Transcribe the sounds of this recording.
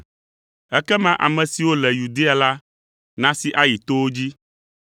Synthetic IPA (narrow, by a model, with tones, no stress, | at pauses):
ɛ˦kɛ˦mã˦ʔa̰˨mɛ̃˨si˨wo˦lɛ˨ju˨d̪e˦a˨la˦ | nã˦si˨ʔa˦ji˨t̪o˦wo˦d͡ʑi˦